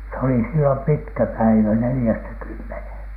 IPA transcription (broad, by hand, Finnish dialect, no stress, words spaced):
se oli silːom pitkæ pæiʋæ nelĭjæstæ kymːenheˑn